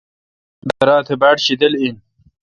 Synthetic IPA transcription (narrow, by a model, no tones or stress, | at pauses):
d̪ɐɾaːt̪ʰebaːʈɕid̪ɐlin